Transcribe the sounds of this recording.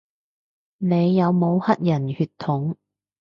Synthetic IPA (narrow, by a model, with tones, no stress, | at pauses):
ne˨˧jːɐ˨˧wmo˨˧whɐ˥t̚jɐ˨˩nhyː˧t̪ʰːʊ˨˥ŋ